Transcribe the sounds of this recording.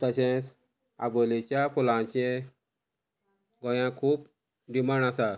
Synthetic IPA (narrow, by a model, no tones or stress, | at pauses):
t̪əɕẽs | a̰bɔlet͡ɕapɔlãt͡ɕẽ | ɡɔjãkʰuːp | ɖimaɳasa